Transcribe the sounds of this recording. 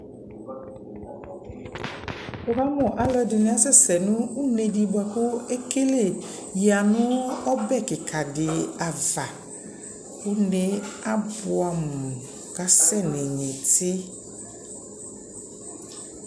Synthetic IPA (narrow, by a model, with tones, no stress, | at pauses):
o˨ba˦mɔ̃˨ʔa˨lɛ˦dɪ˨nɪ̃˨˦a˦sɛ˦sɛ˨nʊ̃˦u˦ne˨di˨ba˨kʊ˦e˦ke˦le˦˨ji˨a˨nʊ̃˦ɔ˦bɛ˦˨kɪ˨kʰa˨dɪ˨a˨va˨ | u˦ne˦a˦bʊ˨a˨mũ˨ | ka˨sɛ˦˨ne˨ɲẽ˨tʰɪ˦